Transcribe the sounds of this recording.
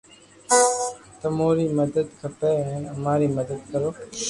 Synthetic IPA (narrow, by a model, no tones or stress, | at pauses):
t̪əmoːɾiːməd̪əd̪kʰəpeːɛ̃ːnəmaːɾiːməd̪əd̪̚kəɾoː